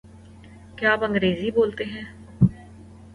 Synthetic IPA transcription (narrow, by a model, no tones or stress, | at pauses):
kɪaːpə̃ŋɡɾeːziːboːlt̪eːɦɛ̃ː